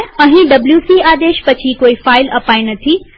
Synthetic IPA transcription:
ɐ̃ɦĩɖɐbljuːsiːaːd̪eːʃpɐt͡ʃʰikoːifaːɪlɐpaːinɐt̪ʰi

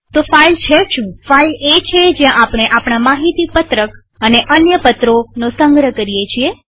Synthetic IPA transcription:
t̪ofailt͡ʃʰeʃũfailet͡ʃʰed͡ʒjãʔapɽ̃eʔapɽ̃amaɦit̪ipət̪ɾək | əneʔənjəpət̪ɾonosəŋɡɾəkəɾijet͡ʃʰie

